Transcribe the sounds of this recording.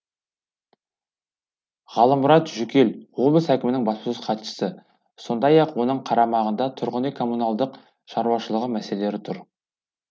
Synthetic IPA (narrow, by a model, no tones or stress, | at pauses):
ʁɑlˠəmːʊɾɑt̪ʒʏkʲe̞lʁobəsækʲɪmɪnɪŋbɑspəsusqʰɑt̪ʃə̥sə | so̞nd̪ɑjɑqwo̞nəɴqʰɑɾɑmɑʁənd̪ɑt̪ʰʊɾʁənekʰo̞mːunɑlˠd̪əq | ʃɑɾuɑʃəlˠəʁəmæse̞lee̞ɾɪt̪ʰʊɾ